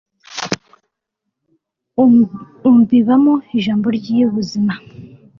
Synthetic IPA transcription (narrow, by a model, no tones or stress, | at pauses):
umbiβamoiʒaːmbo̞ɾɟijuβuzima